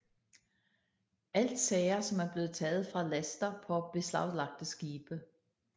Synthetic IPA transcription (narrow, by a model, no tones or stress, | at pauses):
æl̰d̥sɛɪɐsɒ̽mæɐb̥le̝ːð̞̩ˠt͡sʰɛːð̞̩ˠfʁɑ̈læsd̥ɐpʰɒ̽b̥e̝slɑ̈ʊ̰lɑ̈ɡ̥̚d̥əsɡ̥iːb̥ə